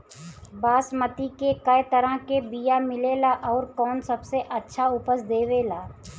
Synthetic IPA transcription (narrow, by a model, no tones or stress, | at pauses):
baːsmət̪ikekɐjt̪əɾãkebijamɪleːlaʔɔːɾkɔːnsɐbseʔɐtːʃʰaʊpəsd̪eːʋelaː